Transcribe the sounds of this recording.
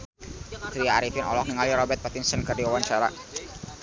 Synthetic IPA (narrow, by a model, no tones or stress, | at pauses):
kɾiaːɾifɪnɔ̰lɔk̚niŋaliɾɔbɛt̪̚pat̪insənkərdiwawaɲt͡ʃaɾa̰